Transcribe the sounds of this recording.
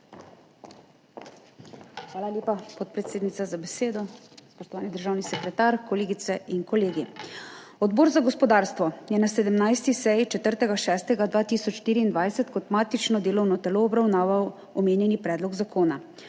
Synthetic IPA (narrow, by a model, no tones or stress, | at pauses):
xʋaːlaljeːpapɔt̪̚pɾɛt̪seːd̪nit̪azabɛseːd̪ɔspɔʃt̪ɔʋaːnid̪əɾʒaːwnisɛkɾɛt̪aːɾkɔleːɡit̪sɛʔinkɔleːɡi | ɔd̪boːɾzaɡɔspɔd̪aːɾst̪ʋɔjɛnasɛd̪əmnajst̪isɛjit͡ʃɛt̪əɾt̪ɛɡaʃɛːst̪ɛɡad̪ʋaːt̪iːsɔt͡ʃʃt̪iːɾiːnd̪ʋajsɛt̪kɔt̪maːt̪it͡ʃnɔd̪eːlɔwnɔt̪ɛloːbɾawnaːʋaw | ɔmeːnjɛnipɾɛːd̪lɔɡzakʰoːna